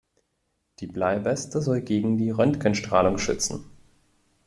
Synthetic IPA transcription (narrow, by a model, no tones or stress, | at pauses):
d̥iːblaɪbɛstəzɔlɡeːɡŋ̩diːʁœntkənʃtʁ̥aːlʊŋʃʏ̰t͡sn̩